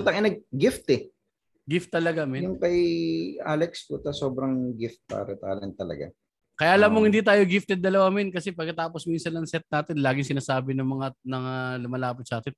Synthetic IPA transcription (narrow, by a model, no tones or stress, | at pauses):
t̪ɐŋɪnɐɡ̚ɡɪft̪ɛ | ɡɪft̪ːɐlɐɡamɛjʊŋkɐjʔa̰lɛkspʊt̪ɐsoːbɾɐŋɡɪft̪̚pa̰ːɾɐt̪a̰ːlɛnt̪ɐlɐ̰ɡa̰ | kɐjaʔɐlamːoŋhɪnd̪iːt̪aːjoɡɪft̪ɛd̪̚ːɐlɐwamɛnkɐsɛpɐɡ̚kːɐt̪aːposminsɐnʔɐŋsɛt̪̚naːt̪ɪnlaːɡɪŋsɪnaːsaːbɪnɐŋmɐŋanɐŋalʊmɐlaːpɪt̪̚sɐʔaːt̪ɪn